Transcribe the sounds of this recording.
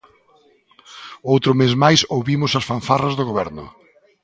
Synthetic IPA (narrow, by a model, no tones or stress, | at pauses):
owt̪ɾʊmezmajsowβimʊsɐsfaɱfarɐzðoɣoβɛɾnʊ̰